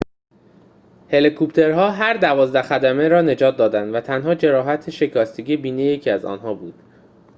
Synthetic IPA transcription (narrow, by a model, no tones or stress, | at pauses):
he̞likʰupt̪ʰe̞ɾɦɒːɦæɾd̪ævɒːzd̪æxæd̪æme̞ɾɒːne̞d͡ʒɒːt̪̚d̪ɒːd̪ænd̪væt̪ʰænɦɒːd͡ʒe̞ɾɒːɦæt̪ʰeʃe̞cʰɒːst̪eɟibiːnejecʰiæzɒ̰ːnɦɒːbuːd̪̥